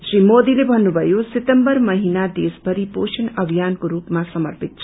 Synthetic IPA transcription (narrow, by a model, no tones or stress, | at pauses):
srimod̪ilebʱʌnːubʱʌjoset̪ʌmbʌrmʌɦinad̪esbʱʌɾiposʰinʌbʱijankoɾupmasʌmʌrpit̪̚t͡sʰ